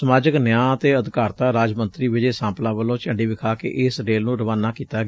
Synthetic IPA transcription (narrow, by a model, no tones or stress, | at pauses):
səmaːd͡ʒəknjãːət̪eːəd̪kaːɾt̪aːɾaːd͡ʒmənt̪ɾiːʋɪd͡ʒeːsãːplãːʋəlõːt͡ʃə̃ːɳɖiːbɪkʰaːkḛʔɪsɾeːlnũːɾəʋaːnːaːkiːt̪aːɡ